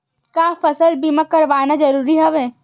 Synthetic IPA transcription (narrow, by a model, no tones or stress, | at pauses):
kaːfɐsəlbimakːɐɾʋaːnad͡ʒɐɾuːɾiɦɐʋẽː